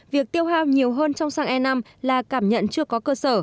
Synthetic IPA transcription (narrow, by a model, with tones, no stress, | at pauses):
vi˨˩ək̚t̪i˧əwɦaː˧˩wɲi˨˩əwɦəː˧nt͡ɕɔ˧wŋ͡msaː˧ŋʔɛ˧na˧m | laː˨˩kaː˧˩mɲə̰˧˨nt͡ɕɨ˧əkɔ˨˦kəː˧səː˧˩